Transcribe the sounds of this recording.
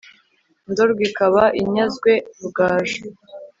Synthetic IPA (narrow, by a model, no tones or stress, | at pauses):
ndoɾɡwikaβaʔiɲazɡwe̞uɡaːʒo